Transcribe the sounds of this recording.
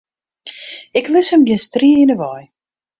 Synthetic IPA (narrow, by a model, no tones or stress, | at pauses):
ɪklɪsəmɡɛnstriəɪnəʋɑj